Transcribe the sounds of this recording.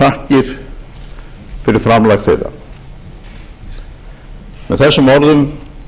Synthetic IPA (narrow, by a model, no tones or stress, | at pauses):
ahcɪɾ̥ | fɪɾɪɾ̥fɾamlajxθḛːða̰ | mɛðθɛsːʏmɔɾðʏm